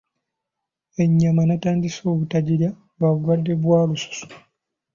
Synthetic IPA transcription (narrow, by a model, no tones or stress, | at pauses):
e̞ɲːamanataːndiso̞ːβutaɟiɾa | βaβuɡwadːeβwaːlusu̥su̥